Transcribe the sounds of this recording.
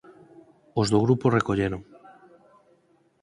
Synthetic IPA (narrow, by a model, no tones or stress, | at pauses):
ozðoɣ̞ɾuporekoʎeɾoŋ